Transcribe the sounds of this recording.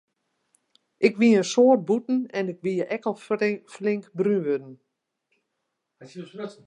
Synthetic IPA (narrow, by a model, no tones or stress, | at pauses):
ʔɪkʋiəənsoːərt̚butn̩ɛnɪkʋiəʔɛkəlˠflɪŋkbryʋødn̩